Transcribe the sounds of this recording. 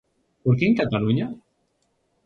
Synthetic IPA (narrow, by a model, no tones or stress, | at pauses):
poɾkiŋkat̪aluɲa